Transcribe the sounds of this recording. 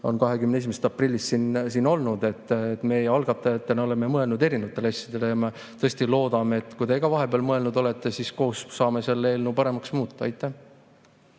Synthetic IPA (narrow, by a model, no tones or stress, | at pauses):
o̞̰nkɑɦe̞kymnee̞s̬imeset̪ɑprilʲːist̪sinsino̞lnud̪̥e̞t̪ːˑet̪ːme̞ːejɑlɡ̥ɑt̪ːˑɑjɑt̪ːˑeno̞le̞memɤe̞lnud̪eɾinevɑt̪ːˑeleɑsʲjɑd̪e̞lejɑme | t̪ɤest̪ilo̞ːd̪ɑmeet̪ːˑkujd̪e̞ɡɑvɑɦe̞beɑlmɤe̞lnud̪o̞le̞t̪ːˑe̞sisko̞ːsːɑːme̞se̞lːeːlnupɑɾe̞mɑksmuːt̪ˑːɑɑ̰jt̪ːˑæh